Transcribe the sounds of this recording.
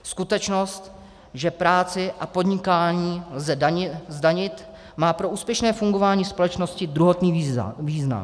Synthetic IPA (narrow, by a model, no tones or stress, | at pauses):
skut̪ɛt͡ʃno̞st̪ | ʒɛpɾaːt͡sɪʔapo̞d̪ɲɪkaːɲiːlzɛɪzdaɲɪt̪ | maːpɾo̞ʔuːspjɛʃnɛːfuŋɡo̞vaːɲiːspo̞lɛt͡ʃno̞scɪd̪ɾuɦot̪nḭːviːzna̰m